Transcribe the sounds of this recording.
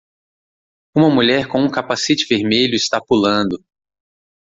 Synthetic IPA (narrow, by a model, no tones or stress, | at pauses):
ũmɐmuʎɛɾkõũkapasit͡ʃɪveɾmeʎʊɪst̪apulɐ̃nd̪ʊ